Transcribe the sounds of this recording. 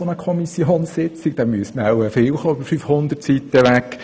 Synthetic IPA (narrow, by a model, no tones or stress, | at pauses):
onəkʰɔmisjonsɪt͡sɪɡ̚d̥ɛmyəsmawəfɪlχoːybəfyfhʊndərtsiːtəʋækː